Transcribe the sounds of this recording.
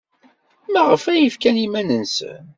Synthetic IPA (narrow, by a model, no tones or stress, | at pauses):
mæʁəfæjəfkænimænənsə̰n